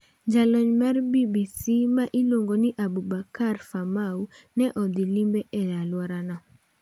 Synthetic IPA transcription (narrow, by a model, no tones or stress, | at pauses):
ɲd͡ʒalɔɲmarbibisimaʔiloŋɡonɪʔabubakarfamaunɛʔɔd̪ilimbeʔɛjalwɔɾanɔ